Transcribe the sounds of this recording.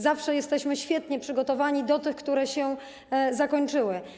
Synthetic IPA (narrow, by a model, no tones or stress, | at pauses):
zafʂɛjɛst̪ɛɕmɘɕfʲjɛt̪ɲɛpʂɘɡɔt̪ɔvaɲid̪ɔt̪ɘxkt̪uɾɛɕɛ | zakɔɲt͡ʂɘwɘ